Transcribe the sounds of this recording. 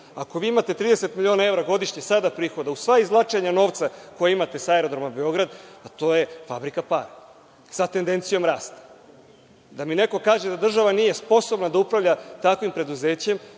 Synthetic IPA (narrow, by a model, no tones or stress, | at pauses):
ako̞ʋiːimat̪e̞t̪ɾiːd̪e̞set̪milʲjio̞nae̞vɾaɡo̞d̪iʃɲesad̪apɾiːxo̞d̪ausʋaizlˠat͡ʂeɲano̞ːʋt̪sako̞jeimat̪e̞saeɾo̞d̪ɾomabe̞o̞ɡɾad̪at̪o̞jefabɾikapa̰ɾa | sat̪e̞nd̪e̞nt̪sijo̞mɾaːst̪ḁ | d̪amine̞ko̞kaːʒe̞d̪ad̪r̩ʒaʋanije̞spo̞so̞bnad̪aupɾavʎat̪akʋimpɾe̞d̪uze̞ːt͡ɕem